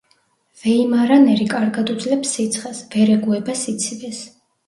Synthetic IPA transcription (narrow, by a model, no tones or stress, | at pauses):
vɛimaɾanɛɾikʼaɾɡad̪ud̪zlɛpsːit̪sʰχasvɛɾɛɡuɛbasit̪sʰivɛs